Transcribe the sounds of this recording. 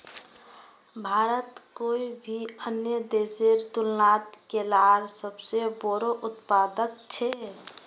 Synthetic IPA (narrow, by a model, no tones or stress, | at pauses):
bʱaɾət̪koibʱiənjəd̪eseɾt̪ulnat̪kelaaɾsəbseboɾoʔut̪pad̪ək̚t͡ʃʰɛ